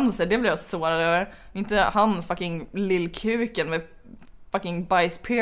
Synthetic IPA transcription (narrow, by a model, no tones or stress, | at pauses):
nsəɖɛblɪɾjasoːɾad̪øːvəɾ | ɪnt̪əhanfakɪŋlɪlːkʰʉ̟ːkənmɛ | fakɪŋbaɪspʰeː